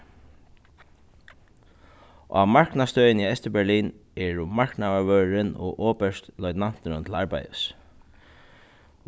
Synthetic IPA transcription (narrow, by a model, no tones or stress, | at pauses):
ʔa̰maɹknast̪œjɪniɛst̪ɪbɛɹliːnɛɹʊmaɹknaaʋœːɾɪnɔ̰ʔɔːpɛʂt̪lɔʏt̪nan̥t̪ɪnʊnt̪ʰɪlaɹpa̰jə̰s